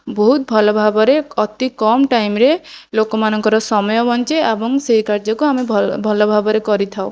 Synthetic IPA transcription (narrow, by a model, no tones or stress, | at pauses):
bɔɦut̪̚bʱɔlɔbʱabɔɾeɔt̪ikɔmʈajmɾelokɔmanɔŋkɔɾɔsɔmɔjɔbɔnt͡ʃeebɔŋseɦikaɾd͡ʒɔkuamebʱɔlɔbʱabɔɾekɔɾit̪ʰao